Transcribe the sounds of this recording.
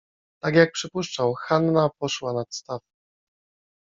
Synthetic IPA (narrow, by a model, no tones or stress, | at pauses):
t̪aɡjak̚pʂɘpuʂt͡ʂawxanːapɔʂwanat̪st̪af